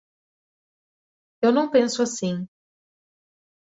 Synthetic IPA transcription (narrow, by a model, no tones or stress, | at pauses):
ewnɐ̃w̃pẽsʊasĩ